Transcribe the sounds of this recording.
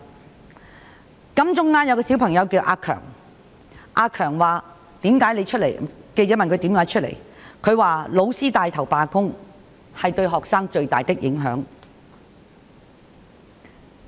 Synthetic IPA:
kɐ˥mt͡sʊ˥ŋːaː˥njɐ˨˧wkɔː˧si˨˥wpʰɐ˨˩ŋjɐ˨˧wki˧wʔaː˧kʰœ̰ː˨˩ŋ | ʔaː˧kʰœː˨˩ŋwaː˨ | t̪iː˨˥mkaː˨˥jne˨˧jt͡ʃʰɵ˥t̚le˨˩jke˧jt͡sɛː˨˥mɐ˨nkʰɵ˨˧ɥt̪iː˨˥mkaː˨˥jt͡ʃʰɵ˥t̚lḛ˨˩j | kʰɵ˨˧ɥwaː˨lo˨˧wsiː˥t̪aː˨jt̪ʰɐ˨˩wpaː˨kʊ˥ŋ | hɐ˨jt̪ɵ˧ɥɦɔː˨ksaː˥ŋt͡ʃɵ˧ɥt̪a̰ː˨jt̪ɪ˥k̚jɪ˨˥ŋɦœ̰ː˨˥ŋ

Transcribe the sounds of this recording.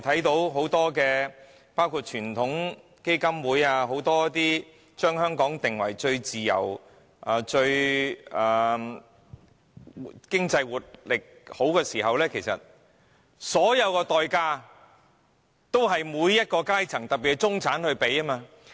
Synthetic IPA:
t̪ʰɐ˨˥jt̪o˨˥wɦo˨˥wt̪ɔː˥kɛː˧ | paː˥wkʰu˨˧t̚t͡ʃʰyː˨˩nt̪ʰʊ˨˥ŋ | ke˥jkɐ˥mwuː˨˥jaː˧ɦo˨˥wt̪ɔː˥t̪iː˥ | t͡ʃœː˥ŋhœː˥ŋkɔː˨˥ŋt̪ɪ˨ŋwɐ̰˨˩jt͡ʃɵ˧ɥt͡siː˨jɐ̰˨˩w | ʔaː˨˩t͡ʃɵ˧ɥɐː˨˩ | kɪ˥ŋt͡sɐ˧jwuː˨t̚lɪ˨k̚ho˨˥wkɛː˧siː˨˩ɦɐ˨wlɛː˥kʰe˨˩jsɐ̰˨t̚ | sɔː˨˥jɐ˨˧wkɔː˧t̪ɔː˨jkaː˧ | t̪o˥wɦɐ˨jmuː˨˧jːɐ˥t̚kɔː˧kaː˥jt͡sʰɐ˨˩ŋt̪ɐ˨k̚piː˨˩t͡sʊ˥ŋt͡sʰaː˨˥nhɵ˧ɥpe˨˧jɐ˥maː˧

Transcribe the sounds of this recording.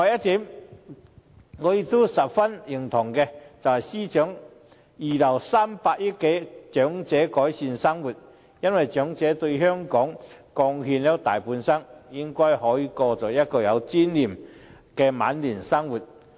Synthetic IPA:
ŋɔ˨˧jɐ˥t̪iː˨˥m | ŋɔː˨˧jɪ˨˧k̚t̪o˥sɐ˨p̚fɐ˥njɪ˨˩ŋt̪ʰʊ˨˩ŋkɛ˧t͡sɐ˨whɐ˨jsiː˥t͡ʃœː˨˥ŋ | jiː˨lɐ˨˩wsaː˥mpaː˧k̚ji˥t̚ke˨˥t͡ʃœː˨˥ŋt͡sɛː˨˥kɔː˨˥jsiː˧nsɐ˥ŋwuː˨˩t̚ | jɐ˥nwɐ˨jt͡ʃœː˨˧˥ŋt͡sɛː˨˥t̪ɵ˧ɥhœː˥ŋkɔː˨˥ŋkɔː˧ŋɦyː˧nlɛ˥t̪aː˨˩jpuː˨˧nsɐ˥ŋjɪ˥ŋkɔː˥jɦɔː˨˥jiː˨˧˥kɔː˧t͡sɔ˨˩jɐ˥t̚kɔː˧jɐ˨˧wt͡siː˥nliː˨mkɛ˧ma̰ː˨˥nliː˨˩nsɐ˥ŋwuː˨t̚

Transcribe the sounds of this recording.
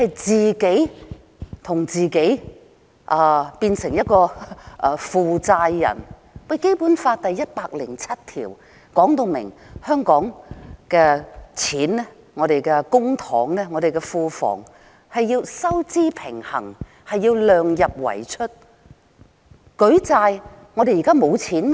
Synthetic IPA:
hɐ˨jt͡siː˨ke˨˥j | t̪ʰʊ˨˩ŋt͡siː˨ke˨˥j | ʔaː˨˧piː˧nsɪ˨˩ŋjɐ˥t̚kɔː˧ʔɐː˧fuː˨t͡saː˧jːɐ̰˨˩n | wɐ˨˧jke˥jpuː˨˥nfaː˧t̪ɐ˨jːɐ˥t̚paː˧k̚lɪ˨˩ŋt͡sʰɐ˥t̚t̪ʰiː˨˩w | kɔː˨˥ŋt̪o˧wmɪ̰˨˩ŋhœː˥ŋkɔː˨˥ŋkɛː˧t͡sʰiː˨˥nnɛ˥ | ŋɔː˨˧ɾe˨jkɛ˧kʊ˥ŋt̪ʰɔː˨˥ŋnɛː˥ŋɔ˨˧ɾe˨˩jkɛ˧fuː˨˧fɔ̰ː˨˩ŋ | hɐ˨jːiː˧wsɐ˥wt͡siː˥pʰɪ˨˩ŋhɐ̰˨˩ŋ | hɐ˨jːiː˧wlœː˨ŋjɐ˨p̚wɐ̰˨˩jt͡ʃʰɵ˥t̚ | kɵ˨˥ɥt͡saː˧j | ŋɔː˨˧d̪e˨jiː˨˩kaː˥mo˨˧wt͡sʰiː˨˥nmɛ˥

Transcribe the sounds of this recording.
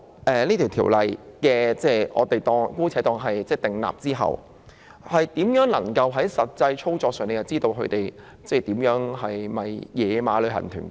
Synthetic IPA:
ʔɛː˨liː˥t̪ʰiː˨˩wt̪ʰiː˨˩wlɐ˨jkɛː˧t͡sɛː˥˩ʔɔ̰ː˨˧t̪e˨jt̪ɔː˧ŋkuː˥t͡sʰɛː˨˥t̪ɔː˧ŋɦɐ˨jt͡sɛː˥˩t̪ɪ˨ŋla̰ː˨p̚t͡siː˥ɦɐ̰˨w | hɐ˨jt̪iː˨˥mjœː˨˥ŋlɐ˨˩ŋkɐ˧wɦɐ˨˥jsɐ˨t̚t͡sɐ˧jt͡sʰo˥wt͡sɔː˧k̚sœː˨ŋne˧jɐ˨˩t͡siː˥t̪o˧wkʰɵ˧t̪e˨˩j | t͡sɛː˥˧˩t̪iː˨˥mjœː˨˥ŋhɐ˨jmɐ˨jjɛː˨˧maː˨˧lɵ˨˧ɥhɐ̰˨˩nt̪ʰy̰ː˨˩n

